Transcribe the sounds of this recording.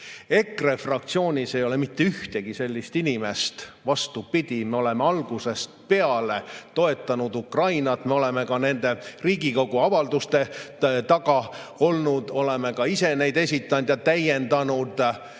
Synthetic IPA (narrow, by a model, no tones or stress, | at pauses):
e̞krefrɑk̚t̪sio̞ːnʲise̞jo̞lemit̪ːeyht̪e̞ɡ̥ise̞lʲːist̪inʲime̞st̪vɑst̪upid̪̥ʲime̞o̞le̞meɑlɡ̥use̞st̪pe̞ɑle̞t̪o̞e̞t̪ːˑɑnud̪ukrɑjnɑt̪ːˑme̞o̞le̞me̞kɑne̞nd̪e̞riːɡiko̞ɡ̥uɑvɑld̪ust̪e̞t̪ɑɡ̥ɑo̞lnud̪̥o̞leme̞kɑise̞ne̞jd̪e̞sʲit̪ːˑɑnd̪̥jɑt̪æjend̪̥ɑnud̪̥